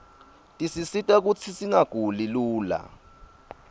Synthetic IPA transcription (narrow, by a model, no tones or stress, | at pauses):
tʼisisitʼak̬ut͡sʰisiŋaɡ̥ʱuliluːla̰